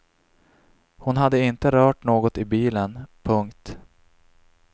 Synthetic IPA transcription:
hʊnɦad̪ːəɪnt̪əɾœːʈnoːɡɔt̪ɪbiːlənpʰɵŋkt̪

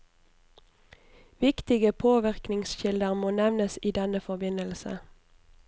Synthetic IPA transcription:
ʋɪkt̪ɪɡəpʰoːʋɪʁknɪŋsʃɪld̪əʁmoːnɛʋnəsiːd̪ɛnəfɔbɪnəlsə̰

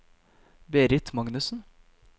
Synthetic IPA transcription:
beːɾɪt̪mɑŋnʉsn̩

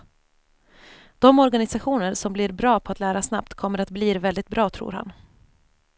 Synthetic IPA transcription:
d̪̥ɔmɔɾɡanɪsaɧuːnəɾsɔmbliɾbɾɑːpʰɔat̪læːɾasnap̚t̪kʰɔmːəɾat̪̚bliːɾvɛld̪ɪt̪̚bɾɑːt̪ʰɾṵːɾha̰n

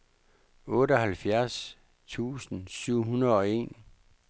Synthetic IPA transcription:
ɔ̽ːɾəɒɦælfjæɐs | t͡sʰṵːsn̩syʊ̰ɦunɐðˠɒ̽e̝̰ːn

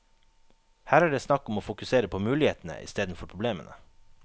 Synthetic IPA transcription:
hæːɾæːɖeːsnɑkːɔmoːfʊkʉseːɾəpʰoːmʉːlɪheːt̪n̩ə̰ʔɪ̰st̪eːd̪n̩fɔɾpʰɾʊbleːmə̰nə

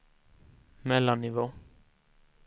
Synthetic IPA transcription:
mɛlːanːɪʋoː

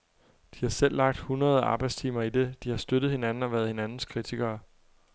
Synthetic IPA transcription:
d̥ihɑ̈sel̰ːɑ̈ɡ̥̚d̥hunʁɐð̞ˠɑ̈ːb̥ɑ̈ɪdst͡sʰiːmɐid̥e̝d̥ihɑ̈sd̥ød̥ð̞̩ˠhe̝nænn̩ɒʋæːɐð̞he̝nænn̩skʰʁit͡sʰiɡ̥ɐː

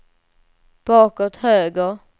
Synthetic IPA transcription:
b̥ɑːkɔt̪høːɡəɾ

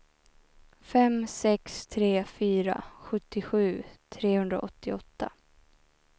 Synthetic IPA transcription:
fɛmsɛkst̪ʰɾeːfyːɾa̰ɧɵt̪ːɪɧʉ̟ːt̪ʰɾeːhɵnd̪ɾa̰ʔɔt̪ːɪɔt̪ːa

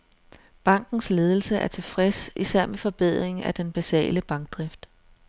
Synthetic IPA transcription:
b̥ɑ̈ŋ̰ɡ̥n̩sle̝ːð̞ˠl̩səʔæɐt͡sʰe̝fʁɛsisæɐ̰mefɒ̽b̥eð̞̰ˠʁeŋ̩æd̥enb̥æsɛ̰ːləb̥ɑ̈ŋɡ̥̚d̥ʁafd̥

